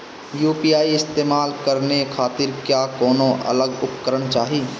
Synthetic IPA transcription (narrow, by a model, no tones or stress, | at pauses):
juːpiːaːiɪst̪eːmaːlkəɾnekʰaːt̪ɪɾkjaːkɔːnõʔə̰ləɡʊpkəɾəɽ̃t͡ʃaːɦiː